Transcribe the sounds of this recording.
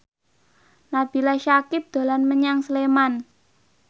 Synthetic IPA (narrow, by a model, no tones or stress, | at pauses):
nab̥i̤laʃakɪp̚d̪̥o̤lanməɲaŋsəleman